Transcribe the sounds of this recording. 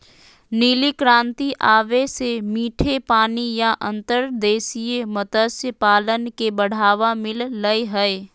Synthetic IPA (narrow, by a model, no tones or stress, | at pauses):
niːlikɾãːnt̪iʔaːʋesemiːʈʰepaːnijaʔə̃nt̪əɾd̪eːsijemət̪əsjəpaːlənkebəɽ̤aːʋamɪlːəjɦɛe